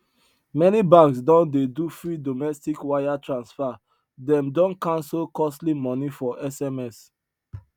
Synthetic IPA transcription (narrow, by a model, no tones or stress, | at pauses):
mɛnibãksdɔ̃ndedufɹidomɛstikwajatɹãnsfa | dɛ̃mdɔ̃nkãnslkɔstlimɔ̃nifɔʔɛsɛmɛs